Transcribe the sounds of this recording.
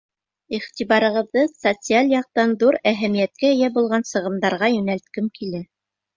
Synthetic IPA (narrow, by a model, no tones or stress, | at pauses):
iχt̪iβɑɾɤ̆ʁɤ̆ðːɤsot̪sɨalʲjɑq̚t̪ɑnðuɾæɦæmijæt̪̚kæɘ̆jæbulˠʁɑnsɤ̆ʁɤ̆md̪ɑɾʁɑjɵ̆nælt̪kɘmkilæ